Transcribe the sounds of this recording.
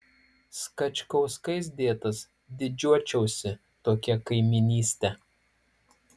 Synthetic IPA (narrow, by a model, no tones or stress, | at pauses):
skɐt͡ʃʲkɐʊskɐɪs̬d̪ʲeːt̪ɐs | d̪ʲɪd͡ʒʲuɔt͡ʃʲɛʊsʲɪ | t̪oːkʲɛkɐɪmʲɪnʲiːsʲt̪ʲɛ